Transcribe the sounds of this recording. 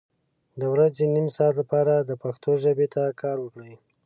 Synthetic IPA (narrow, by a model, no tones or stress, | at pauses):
d̪əwɾazenimsɑt̪lapɑɾad̪əpaxt̪oʒabet̪akʰɑɾwəkɽəj